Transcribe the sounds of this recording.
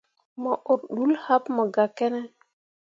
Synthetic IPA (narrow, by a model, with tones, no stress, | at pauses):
mə˨ʔo˨ɾɗu˦lha˦pmə˨ɡa˨ke˦ne˦